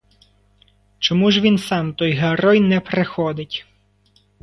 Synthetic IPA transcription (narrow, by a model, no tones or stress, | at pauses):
t͡ʃɔmuʒʋʲinsɑmt̪ɔjɦeɾɔjnɛpɾexɔd̪ɪtʲ